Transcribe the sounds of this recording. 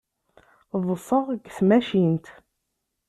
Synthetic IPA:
ðˤəsˤəʁɡθmæʃint̪

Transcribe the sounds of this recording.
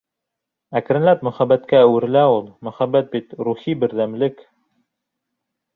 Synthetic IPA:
ækɾɘ̆nlæp̚mɵ̆χæbːæt̪kæːwɘ̆ɾɘ̆læulˠmɵ̆χæbːæt̪̚bit̪ɾuχibɘ̆ɾðæmlɘk

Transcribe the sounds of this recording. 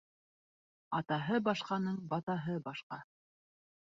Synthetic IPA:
ɑt̪ɑɦɤbɑʃqɑnɤɴbɑt̪ɑɦɤbɑʃqɑ

